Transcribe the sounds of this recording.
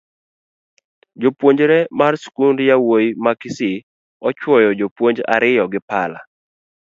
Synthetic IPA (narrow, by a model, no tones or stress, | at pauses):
d͡ʒopwoɲd͡ʒɾɛmarskundjawojimakɪsɪ | ɔt͡ʃwɔjɔd͡ʒopwoɲd͡ʒa̰ɾɪjɔɡɪpala̰